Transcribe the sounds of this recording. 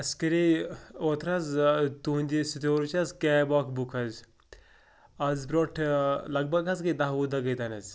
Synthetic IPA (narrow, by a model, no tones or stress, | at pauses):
ɐskɐɾeoːt̪ɾazt̪uːnʲd̪isit̪oːɾut͡ʃɐzkeːboːkʰbukʰɐzʲ | ɐzbɾoːʈʰlɐɡ̚bɐɡɐzkɐd̪aɦud̪ɐɡɐjd̪ɐnɐzʲ